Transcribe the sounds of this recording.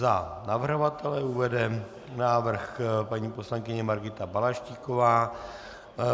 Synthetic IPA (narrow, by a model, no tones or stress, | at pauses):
zanavrɦɦovat̪ɛlɛuvɛdɛ | naːvr̩xpaɲiːpo̞slaŋkɪɲɛmaɾɡɪt̪abalaʃciːkovaː